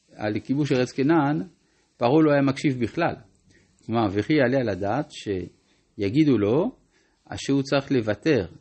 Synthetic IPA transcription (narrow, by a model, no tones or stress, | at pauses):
a̰lkibuʃeʁet͡skenan | paʁuloajamakʃivbiχla̰l | klomaʁveχijaalealad̪aːt̪ʃe | jaɡid̪ulo̞ | a̰ʃeut͡saʁiχle̞vat̪e̞ʁ